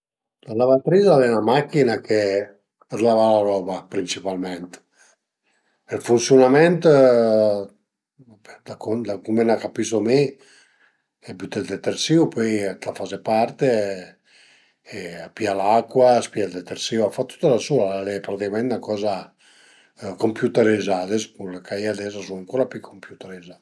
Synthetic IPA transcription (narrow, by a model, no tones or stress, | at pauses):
lalavat̪ɾizalɛnamakːinakʰe | azlavalaɾɔbapɾint͡ʃipalmɛnt̪ | elfunsjonamɛnt̪ | d̪akond̪akumenakapisome | ɛbjut̪eld̪et̪eɾsiupøjt̪afazepaɾt̪e | pialakːwaspiad̪et̪eɾsiwafat̪ːu̥t̪ːalasualepɾat̪ikamɛnt̪nakɔza | kompjut̪eɾezad̪eskulekajad̪ɛzasunaŋkoɾapukʰompjut̪eɾeza